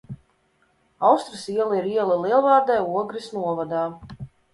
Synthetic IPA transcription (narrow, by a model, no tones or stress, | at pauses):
awst̪ɾɨsiɛlˠiɾiɛlˠalˠiɛlˠvaːɾd̪ɛjuɔɡɾisnuɔvad̪aː